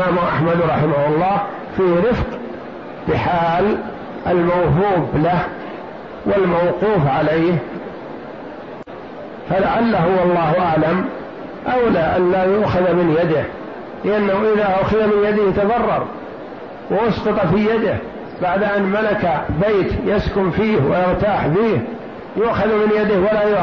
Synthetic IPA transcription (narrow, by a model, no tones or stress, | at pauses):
aːmʔaħmad̪ɾˤɑħɪmahʊlˤːɑːh | fiːhɾɪfq | b̥ɪħaːl | ʔalmawhuːblah | wɪlmawquːfʕaleːh | falaʕalːaɦʊwɑlˤːɑːhʔaʕlam | ʔawlaːʔa̰nlaːjʊʔxaðmɪnjad̪ɪh | lɪʔanːahuʔɪðaːʔʊʔxɪðamɪnjad̪ɪhɪt̪ɑðˤɑrˤːɑ̰ɾˤ | wɪʔʊsqɑt̪ˤfiːjad̪ɪh | baʕd̪ʔanmalakabejt̪jaskʊmfiːhwa̰jɪɣt̪aːħfiːh | jʊʔxaðmɪnjad̪ɪhwalaːjʊ